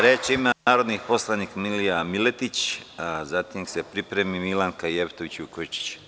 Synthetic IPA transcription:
ɾet͡ʃimaaːɾod̪nipo̞slˠanikmilijamilet̪it͡ʃazat̪imsepɾipɾemimilaŋkaijept̪oʋit͡ɕukot͡ʃi̥t͡ʃ

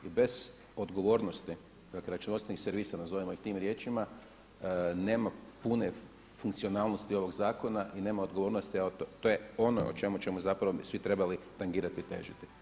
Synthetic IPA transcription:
ibe̞z̥ | o̞d̪ɡo̞ʋo̞ːɾno̞st̪i | d̪akleɾat͡ʃunost̪enixseɾʋiːsanazo̞ʋimo̞ixt̪iːmɾje̞ːt͡ʃima | ne̞ːmapune | fuŋkt̪sio̞naːlnost̪io̞ʋo̞ɡzaːko̞naʔine̞ːmaod̪ɡo̞ʋo̞ːɾnost̪iaot̪ot̪ojeo̞no̰o̰t͡ʃe̞mut͡ʃe̞muzapɾaʋoisʋit̪ɾe̞balit̪aŋɡiːɾat̪it̪ḛːʒit̪i

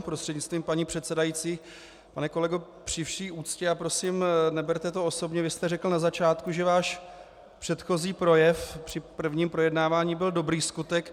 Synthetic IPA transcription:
pɾost̪r̥ɛdɲɪt͡sst̪viːmpaɲiːpr̥ɛt̪sɛdajiːt͡siː | panɛko̞lɛɡo | pr̝̥ɪfʃiːʔuːt͡scɛapɾo̞simnɛbɛɾt̪ɛt̪o̞oso̞bɲɛvɪst̪ɛrɛkl̩nazat͡ʃaːt̪kuʒɛvaːʃ | pr̝̥ɛt̪xo̞ziːpɾo̞jɛfpr̝̥ɪpr̩vɲiːmpɾo̞jɛdnaːvaːɲiːbɪldo̞bɾiːskut̪ɛk

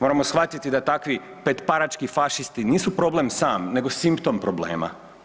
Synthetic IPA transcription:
mo̞ɾamo̞sxʋat̪it̪id̪at̪akʋi | pet̪paɾat͡ʃkifaʃist̪iniːsupɾo̞ble̞msaːmne̞ɡo̞simpt̪o̞mpɾoble̞̰ːma̰

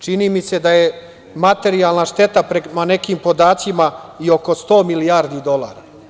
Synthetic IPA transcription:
t͡ʃiniːmise̞d̪aje̞ | mat̪e̞ɾialˠnaʃt̪e̞t̪apɾemane̞kiːmpo̞d̪aːt̪simaio̞ko̞st̪o̞ːmilijaːɾd̪id̪o̞lˠaːɾa

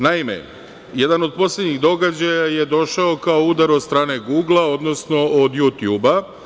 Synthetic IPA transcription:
naimḛ | je̞d̪ano̞d̪̚po̞slʲe̞d̪ɲiɣd̪o̞ɡad͡ʑajaje̞d̪o̞ʃaokaoud̪aɾod̪st̪ɾaːne̞ɡuːɡlˠao̞d̪no̞sno̞ʔod̪jut̪juːba

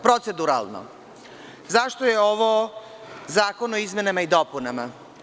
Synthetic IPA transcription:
pɾot̪sed̪uɾa̰lˠno̰ | zaʃt̪oje̞oʋo | zaːko̞noizme̞namaid̪opunama

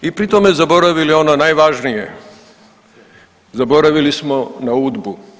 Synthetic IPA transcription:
ipɾit̪omezabo̞ɾaʋiliononajʋaʒnijḛ | zabo̞ɾaʋilismonauːd̪bu

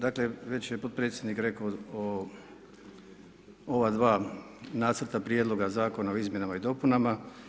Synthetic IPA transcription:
d̪akleʋe̞t͡ɕjepo̞t̪̚pɾet̪sʲjed̪nikɾe̞koo | o̞ʋad̪ʋaː | naːt̪sr̩t̪apɾjed̪lˠo̞ɡazaːko̞naoizmje̞namaid̪o̞punama

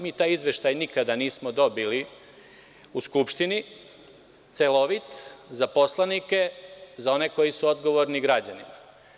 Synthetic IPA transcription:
miːt̪aːjizʋe̞ʃt̪ajnikad̪aniːsmod̪o̞bili | uskupʃt̪ini | t̪selo̞ʋit̪zapo̞slˠanike̞zao̞ne̞ko̞jisuo̞d̪ɡo̞ʋo̞ɾniɡɾad͡ʑanima

